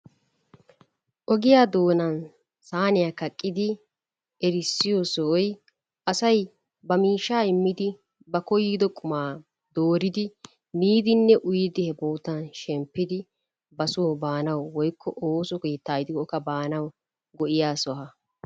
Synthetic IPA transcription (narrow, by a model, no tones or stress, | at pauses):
ʔɔɡɪjaːd̪o̞ːnɐn | saːnɪjaːkɐkʼːɪd̪ɪ | ɛɾɪsːɪjɔsɔɔj | ʔɐsɐj | bɐmiːʃːaːɪmːɪd̪ɪ | bɐkɔjiːd̪ɔkʼʊmaː | d̪̥oːɾɪd̪ɪ | niːd̪ɪnːɛʔʊjɪd̪ɪhɛboːt̪ɐnʃɛmpːɪd̪ɪ | bɐsʊwɔbaːnɐwwɔjkʰːɔʔoːsɔkeːt̪ːaːjɪd̪ɪkɔkːɐbaːnɐw | ɡɔʔɪjaːsɔhɐ